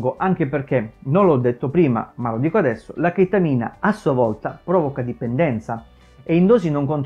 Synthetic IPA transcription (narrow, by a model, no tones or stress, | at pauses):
ɡoʔaŋk̟eperk̟enonlɔd̪ːet̪ːopɾiːma̰malod̪iːkoad̪ɛsːo̰lakit̪ːamiːna̰asːuavɔlt̪apɾɔːvokad̪ipend̪ɛnt̪sa | eind̪oːsinoŋkont̪